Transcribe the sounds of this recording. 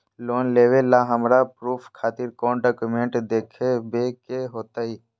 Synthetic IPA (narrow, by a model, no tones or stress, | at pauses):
loːnleːʋelːaɦəmɾapɾuːpʰkʰaːt̪ɪɾkɔːnɖaːkʊmẽɳʈd̪eːkʰebeːkeɦoːt̪aːɦiː